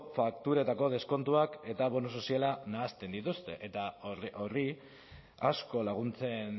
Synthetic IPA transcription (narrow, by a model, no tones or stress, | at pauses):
fakt̪uɾat̪ako̞ð̞e̞sko̞nt̪uake̞t̪aβo̞nus̬o̞sialanaːst̪e̞nd̪it̪ust̪e̞ʔet̪ao̞ri | a̰sko̞laɣ̞unt͡se̞n